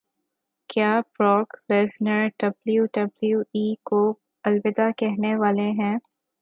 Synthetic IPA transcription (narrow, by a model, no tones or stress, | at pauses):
kjaːpɾɔːkɾeːsnəɾɖɐbljuɖɐbljuiːko | ɐlʋɪd̪akɛɦneʋaːleɦɛ̃ː